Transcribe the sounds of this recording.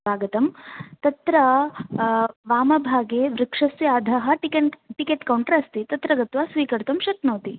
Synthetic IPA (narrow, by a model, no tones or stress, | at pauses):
ʋaːɡɐt̪ɐmt̪ɐt̪ɾɐ | ʋaːmɐbʱaːɡeːʋɾɪkʂɐsjaːd̪ʱɐɦɐ̆ʈkeʈikeːʈkɐwɳʈɐɾɐst̪it̪ɐt̪ɾɐɡɐt̪ʋaːsʋiːkɐɾt̪ɐmʃɐt̪noːt̪i